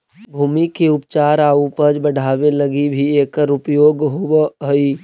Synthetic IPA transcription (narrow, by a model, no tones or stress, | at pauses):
bʱuːmikeʊpt͡ʃaːɾaːupəd͡ʒbəɽ̤ʱaːwelɐɡibʱieːkəɾʊpjoːɡɦowɦoiː